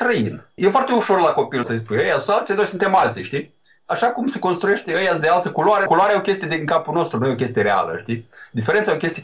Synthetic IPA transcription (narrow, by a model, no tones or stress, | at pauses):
t̪ɾəinjefoart̪e̞uʃo̞rlako̞pilsəs̬pujəjasalt̪sinojsunt̪e̞malt̪siʃt̪i | aʃakumseko̞nst̪ɾuje̞ʃt̪eəjasd̪ealt̪əkuloaɾekuloaɾeo̞kʲe̞st̪ijad̪iŋkapuno̞st̪ɾunujeo̞kʲe̞st̪ijeɾea̰lə̰ʃt̪id̪ifeɾent̪saokʲe̞st̪ie